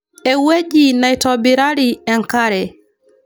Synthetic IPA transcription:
ɛwed͡ʒinajtɔbiɾaɾiɛŋkaɾɛ

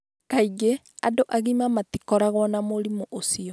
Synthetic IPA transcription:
kaiɡe | a̰doʔaɣimamatikɔɾaɣwɔnamoɾimoʔosiɔ

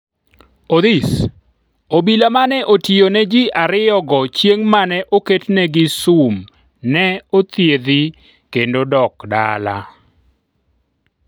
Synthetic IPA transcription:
od̪is | obilamanɛʔotionɛd͡ʒiʔaɾɪjɔɡɔt͡ʃjeŋmanɛʔoketnɛɡɪsum | nɛot̪jed̪i | kendodɔkda̰la̰

